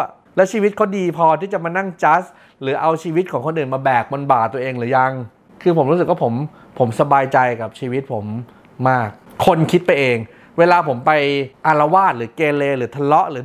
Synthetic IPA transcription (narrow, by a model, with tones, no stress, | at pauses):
lɛ˦˥wt͡ɕʰiː˧wi˦˥t̪̚kʰa˦˥wdiː˧pʰɔː˧t̪ʰiː˥˩t͡ɕa˨˩ʔmaː˧na˥˩ŋt͡ɕa˦˥s | ɾɯː˩˦ʔa˧wt͡ɕʰiː˧wi˦˥t̪̚kʰɔː˩˦ŋkʰo˧nʔɯː˨˩nmaː˧bɛː˨˩k̚bo˧nbaː˨˩t̪̚ːu˧ʔeː˧ŋlɯː˩˦ja˧ŋ | kʰɯː˧pʰo˩˦mɾu˦˥sɯ˨˩k̚waː˥˩o˩˦m | pʰo˩˦msa˧baː˧jt͡ɕa˧jka˨˩p̚t͡ɕʰiː˧wi˦˥t̪̚pʰo˩˦mː | aː˥˩k̚ʰːo˧nkʰi˦˥t̪̚pa˧jʔeː˧ŋ | weː˧laː˧pʰo˩˦mpa˧jʔa˧la˧waː˥˩t̪̚ɾɯː˩˦keː˧leː˧ɾɯː˩˦t̪ʰa˧lɔ˦˥ʔlɯː˩˦